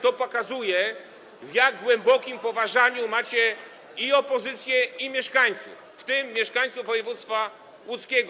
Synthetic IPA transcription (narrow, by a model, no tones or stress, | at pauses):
t̪ɔpɔkazujɛ | vjaɡ̚ɡwɛmbɔkʲimpɔvaʐaɲumat͡ɕɛ | iɔpɔzɘt̪sʲjɛimʲjɛʂkaɲt̪sṵf | ft̪ɘmːʲjɛʂkaɲ̃t̪suvvɔjɛvut̪st̪fa | wut̪skʲɛɡɔ